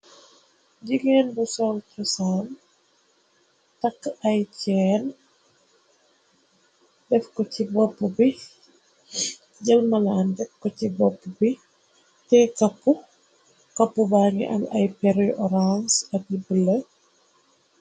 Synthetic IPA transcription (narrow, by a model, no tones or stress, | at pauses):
ɟiɡɛːnbusɔlcɔsaːn | tɐkːɐjcɛːn | dɛfkɔcibɔpːubi | ɟɐlmɐlaːndɛfkːɔcibɔpːubi | tɛkɐpːu | kɐpːubaːŋḭʔɐ̰nɐ̰jpɛɾijʔɔɾansɐt̚ibələ